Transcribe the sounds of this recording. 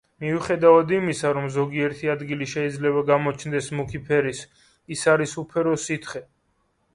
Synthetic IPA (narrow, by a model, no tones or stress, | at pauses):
miuχɛd̪avad̪imisaɾɔmzɔɡiɛɾt̪ʰiad̪ɡiliʃɛid̪zlɛβaɡamɔt͡ʃʰnd̪ɛsmukʰipʰɛɾis | isaɾisupʰɛɾɔsit̪ʰχɛ